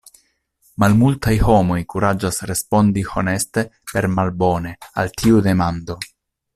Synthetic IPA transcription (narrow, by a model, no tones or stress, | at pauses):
malmultajho̞mo̞jkuɾad͡ʒasɾe̞spo̞ndiho̞̰ne̞ste̞pe̞ɾmalbo̞ne̞a̰ltʰiude̞mand̪o̞